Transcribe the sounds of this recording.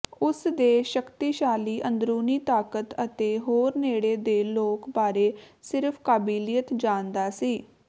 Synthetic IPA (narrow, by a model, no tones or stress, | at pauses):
ʊsd̪eːʃəkt̪iːʃaːliːʔə̃nd̪ɾuːniːt̪aːkət̪ət̪eːɦoːɾneːɽeːd̪eːloːkbaːɾeː | sɪɾpʰkaːbiːlijət̪d͡ʒaːnd̪aːsiː